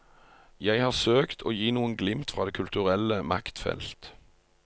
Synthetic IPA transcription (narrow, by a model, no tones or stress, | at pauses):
jæɪhɑːʁsøːkt̪ʰoːjiːnuːənɡlɪmt̪fʁɑːd̪eːkʰʉlt̪ʉʁɛləmɑkt̪fɛ̰lt̪